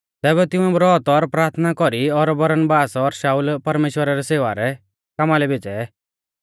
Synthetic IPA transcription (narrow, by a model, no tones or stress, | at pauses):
t̪ɛːβɛt̪ɪ̃ũɛbɾɔt̪ɔɾpɾaːɾt̪ʰnakɔɾiɔɾbɐɾənbaːsɔɾʃaːulpɐɾmeːʃwəɾaɾɛseːʋaɾɛ | kamalɛbet͡ʃɛ